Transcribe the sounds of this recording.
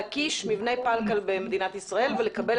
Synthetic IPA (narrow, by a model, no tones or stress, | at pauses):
kiʃmivne̞jpalkalbemed̪inat̪isʁae̞lvelekabe̞l